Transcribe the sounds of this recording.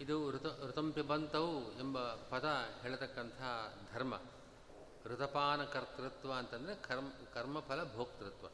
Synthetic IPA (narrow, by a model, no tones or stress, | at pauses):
id̪uɾt̪ɐɾut̪ɐmpjɐbɐnt̪ɐʋuembɐpɐt̪ɐɦeːɭɐt̪ɐkːɐnt̪ɐɦad̪ʱɐɾmɐ̰ | ɾut̪ɐpaːnɐkɐɾt̪ɾɪt̪ʋɐːnt̪ɐnd̪ɐɾekʰɐɾkɐɾmɐpʰɐlɐbʱoːkt̪ɾɪt̪ʋɐ̰